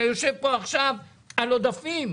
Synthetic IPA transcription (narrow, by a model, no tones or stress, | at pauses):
jo̞ʃe̞vpo̞aχʃav | alo̞d̪afim